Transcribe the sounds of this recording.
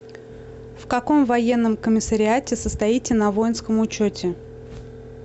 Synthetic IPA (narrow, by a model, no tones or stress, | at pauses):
fkɐko̞mvɐjenːəmkəmʲɪsəɾʲɪatʲɪsəst̪ɐitʲɪnɐvo̞jɪnskəmʊt͡ɕotʲɪ